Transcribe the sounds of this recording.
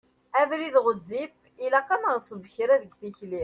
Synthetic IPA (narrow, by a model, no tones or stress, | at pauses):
ævɾiðʁəzːif | ilæqænəʁsəvəçɾæðəɡθiçli